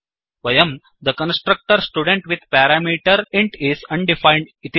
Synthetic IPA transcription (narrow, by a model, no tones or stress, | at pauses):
ʋɐjɐm | d̪əkə̃nsʈɾək̚ʈəɾsʈuːɖẽɳʈʋid̪̚ʱpæɾamiːʈəɾɪ̃ɳʈizɐ̃ɳɖifãɪɳɖɪt̪